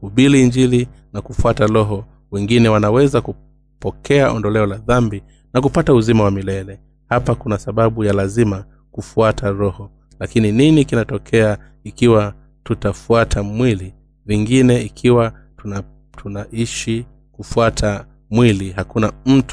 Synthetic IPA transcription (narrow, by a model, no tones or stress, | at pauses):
kuɓiliːɲd͡ʒili | nakufuatalɔɦɔ | wɛŋɡinɛwanawɛzaku | pɔkʰɛaʔɔndɔlɛɔlaðambi | nakupatauzimawamilɛlɛ | hapakunasaɓaɓujalazima | kufuatʰaɾɔhɔ | lakinininikinatɔkʰɛa | ikiwa | tutafuatʰamwili | viŋɡinɛikʰiwa | tuna | tʰunaiʃi | kufuatʰa | mwilihakunam̩t